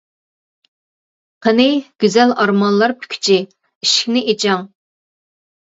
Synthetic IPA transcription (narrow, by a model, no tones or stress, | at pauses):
qʰənɪɡ̥ʲyzɛlɑɾmɑnlˠɑɾpʰy̥kʲʰy̥t͡ʃʰi | iʃkʲnɪʔet͡ʃʰɑŋ